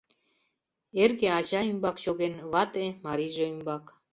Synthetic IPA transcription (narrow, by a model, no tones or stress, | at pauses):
erɡeɑʑɑymbɑkɕoɣenβɑt̪emɑɾiʒeymbɑk